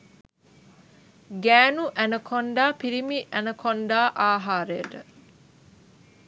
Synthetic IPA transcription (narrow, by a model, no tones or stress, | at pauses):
ɡæːnuʔænəkʰoɳɖaːpiɾimiʔænəkʰonɖaːʔaːɦaːɾəjəʈə